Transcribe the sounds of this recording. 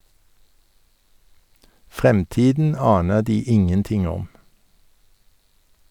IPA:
ˈfʁɛmˌtiːdn̩ ˈɑːnə ˈdiː ˈɪŋənˌtɪŋ ˈɔm

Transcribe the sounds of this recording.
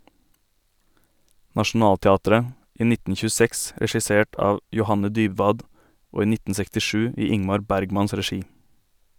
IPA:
nɑʃn̩ˈɑːltɛˌɑːtəɾə ˈiː ˈnɪtn̩ çʉːˈsɛks ɾɛʃɪˈseːʈ ˈɑːʋ jʊˈhɑnə ˈdyːbʋɑːd ˈoː ˈiː ˈnɪtn̩ sɛktɪˈʃʉː ˈiː ˈɪŋmɑɾ ˈbæɾɡmɑns ɾɛˈʃiː

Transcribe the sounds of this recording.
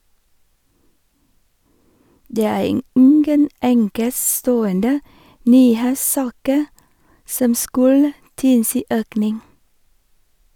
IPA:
ˈdeː ˈæː ˈɪŋɡən ˈʔɛŋkəˌstoːəndə ˈnyːˌheːsˌsɑːkə ˈsɔm ˈskʉlə ˈtɪlsiː ˈʔøːknɪŋ

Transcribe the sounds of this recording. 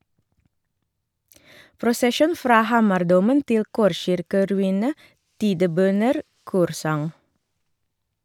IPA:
pɾʊsəˈʃuːn ˈfɾɑː ˈhɑːmɑɾˌduːmən ˈtɪl ˈkɔɾˌʃɪɾkəɾʉˌiːnə ˈtiːdəˌbœnəɾ ˈkuːɾˌsɑŋ

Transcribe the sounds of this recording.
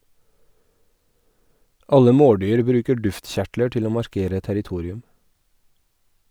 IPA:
ˈɑlə ˈmoːˌɖyːɾ ˈbɾʉːkə ˈɖʉftˌçæʈlə ˈʈɪl ˈoː mɑɾˈkeːɾə tæɾɪˈtuːɾɪʉm

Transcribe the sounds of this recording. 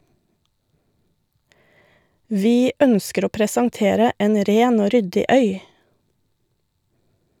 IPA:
ˈʋiː ˈœnskəɾ ˈoː pɾəsɑŋˈteːɾə ˈeːn ˈɾeːn ˈoː ˈɾʏdɪ ˈœʏ

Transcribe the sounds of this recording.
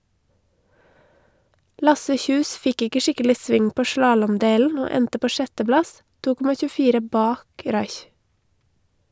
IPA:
ˈlɑsə ˈçʉːs ˈfɪk ˈɪkə ˈʃɪkəlɪ ˈsʋɪŋ ˈpoː ˈʃlɑːlɔmˌdeːln̩ ˈoː ˈɛntə ˈpoː ˈʃɛtəˌblɑs ˈtuː ˈkɔmɑ çʉːˈfiːɾə ˈbɑːk ˈɾɑɪç

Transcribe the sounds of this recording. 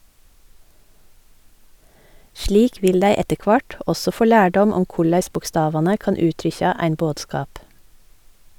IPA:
ˈʃliːk ˈʋɪl ˈdæɪ ˈɛtə ˈkʋɑʈ ˈɔsɔ ˈfoː ˈlæːɖɔm ˈɔm ˈkʊɭæɪs bʊkˈstɑːʋɑnə ˈkɑːn ˈʉːtɾʏçɑ ˈæɪn ˈboːdˌskɑːp

